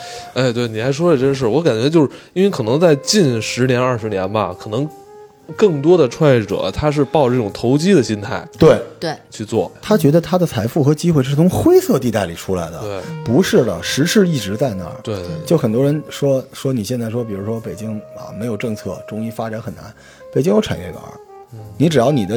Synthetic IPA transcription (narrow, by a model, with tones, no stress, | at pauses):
e˥˩ɪt̪we˥˩ɪni˨˩xa˧˥ɪʂwɔ˥d̪ə˨˩ʈ͡ʂə˥˧ʂ̬ɻ̩˥˩wɔ˧˥ka˨˩nt͡ɕɥɛ˧˥t͡ɕjo˥˧ʊʂɻ̩˥˧˩nwe˥˧ɪkʰɤ˨˩nɤ˧˥ŋt͡sa˥˧ɪt͡ɕi˥˩nʂɻ̩˧˥njɛ˧˥nɐ˞˥˩ʂɻ̩˧˥njɛ˧˥nbɐ̰˧kʰɤ˨˩nɤ˧˥ŋ | kɤ˥˩ŋt̪̬wɔ˥d̪ə˨ʈ͡ʂʰwa˥˧njɛ˥˩ʈ͡ʂɤ̰˨˩˦t̪ʰa˥ʂ̬ɻ̩˥˧pɑ˥˧ʊʈ͡ʂʈ͡ʂɤ˥˩ʈ͡ʂʊ˨˩ŋt̪ʰo˧˥ʊt͡ɕi˥d̪ə˨ɕi˥nt̪ʰa˥˩ɪt̪we˥˩ɪt̪we˥˩t͡ɕʰy˥˧t͡swɔ̰˥˩t̪ʰa˥t͡ɕɥɛ˧˥d̪ə˧t̪ʰa˥d̪ə˨t͡sʰa˧˥ɪfu˥˩xɤ˧˥t͡ɕi˥xwe˥ɪʂ̬ɻ̩˥˩t͡sʰʊ˧˥ŋxwe˥ɪsɤ˥˧t̪i˧t̪a˥˩ɪli˨˩ʈ͡ʂʰu˥la̰˧˥ɪd̪ə̰˧˥˩pu˧˥ʂɻ̩˥˩lə̰˩ʂɻ̩˧˥ʂɻ̩˥˧i˥˩ʈ͡ʂɻ̩˧˥t͡sa˥˩ɪna̰˧˥t̪we˥˧t͡ɕjo˥˩ʊxə˨˩nt̪wɔ˥ɻə˧˥nʂwɔ˥ʂwɔ˥ni˨˩ɕjɛ˥˧nt͡sa˥˩ɪʂwɔ˥p̬i˨˩ɻu˧˥ʂwɔ˥pe˨˩ɪt͡ɕi˥ŋɐ̰˧me˧˥ɪjo˨˩ʊʈ͡ʂɤ˥˧ŋt͡sʰɤ̰˥˩ʈ͡ʂʊ˥ŋi˥fa˥ʈ͡ʂa˨˧˥nxə˨˩na̰˧˥n | pe˨˩ɪt͡ɕi˥ŋjo˥˩ʊʈ͡ʂʰa̰˨˩nɥɛ˥˩ka̰˧˥ni˧˥ʈ͡ʂɻ̩˨˩jɑ˥˩ʊni˨˩d̪ə˦